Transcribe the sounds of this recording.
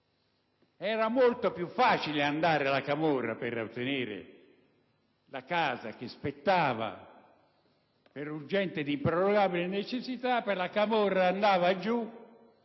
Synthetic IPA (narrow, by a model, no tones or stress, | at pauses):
ɛːɾamolt̪opjufːaːt͡ʃileand̪aːɾealakamɔrːa̰peɾa̰wt̪ːeneːɾɪ̰ | lakaːza̰k̟espet̪ːaːva̰ | peɾurd͡ʒɛnt̪ed̪impɾoɾoɡaːbilenet͡ʃesːit̪apːerlakamɔrːaːnd̪aːvad͡ʒu